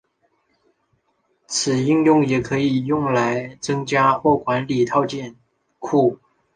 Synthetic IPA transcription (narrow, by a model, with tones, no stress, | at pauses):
t͡sʰɹ̩˨˩i˥˧ŋjʊ˥˩ŋjɛ˨˩kʰɤ˧˥i˨˩jʊ˥˩ŋla˧˥ɪt͡sɤ˥ŋt͡ɕja˥xwɔ˥˩kwa˧˥nli˨˩t̪ʰɑ˥˧ʊt͡ɕjɛ˥˧n | kʰu˥˩